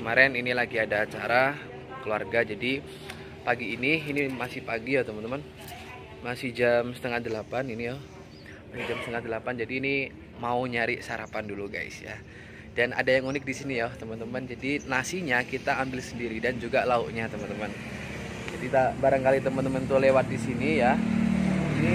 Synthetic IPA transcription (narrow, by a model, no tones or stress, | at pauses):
kəmaɾɪninilaɡiadaːt͡ʃaɾa | kəlua̰rɡad͡ʒadi | paɡiːniinimasɪhpaɡijɔt̪əmənt̪əmən | masɪhd͡ʒamsə̥t̪əŋadəlapaninijɔ | masɪd͡ʒamsət̪əŋat̪̚dəlapand͡ʒadiːni | mauɲaɾɪʔsaɾapanduluɡa̰ɪ̰sja̰ | dana̰dajaŋunɪk̚disinijat̪əmənt̪əmənd͡ʒadinasiɲakit̪aːmbɪlsəndiɾidand͡ʒuɡalauʔɲat̪əmənt̪əmən | d͡ʒadit̪abaɾaŋkalit̪əmənt̪əmənt̪ulewat̪̚disinija | ini